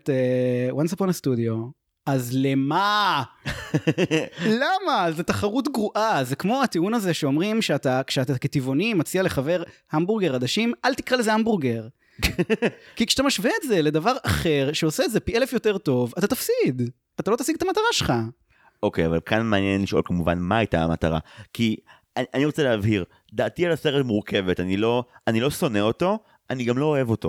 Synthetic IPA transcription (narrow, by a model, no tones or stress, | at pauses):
t̪ewansaponstudio̞ | azlema | lamazet̪aχaʁutɡʁuʔazekmo̞at̪eunaze̞ʃeo̞mʁimʃeat̪akʃeat̪aket̪ivo̞nimat͡sialeχave̞ʁhambuʁɡeʁad̪aʃimʔalt̪ikʁalezehambuʁɡeʁ | kikʃat̪amaʃveːtze̞le̞d̪avaʁaχe̞ʁʃeoseːtzepielefjo̞t̪e̞ʁto̞vat̪at̪afsid̪ | at̪alo̞t̪asiɡt̪amataʁaʃelχa | ʔokejava̰lkʰanmeanjenliʃolkamuva̰nmaajt̪aa̰mat̪aʁa̰kʰi | aaniʁot͡seleavhiʁ | d̪aːtialaseʁetmuʁkʰe̞vetanilo̞anilo̞so̞neo̞to̞ | aniɡamlo̞oe̞vo̞to̞̰